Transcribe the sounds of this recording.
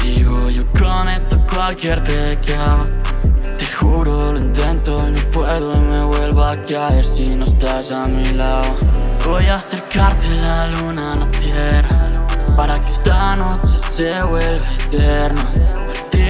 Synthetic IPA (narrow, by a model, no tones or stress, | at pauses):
d̪iɣojokonet̪ːokwalkjɛɾd̪ekamat̪ixuɾoloint̪ɛnt̪onõpwɛðoemeβwɛlβoakaeɾsinõst̪azamilaovojaθeɾkaɾt̪elalunalat̪jɛrapaɾaki̥st̪anot͡ʃesewelet̪ɛɾnopeɾt̪i